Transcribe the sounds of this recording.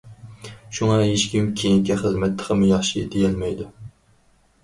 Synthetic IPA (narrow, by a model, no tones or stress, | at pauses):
ʃuŋɑɦeʃkʲimkʲʰejiŋkʲɛχəzmɛt̪lə̥qʰəmujɑχʃid̪ejɛlmɛjd̪u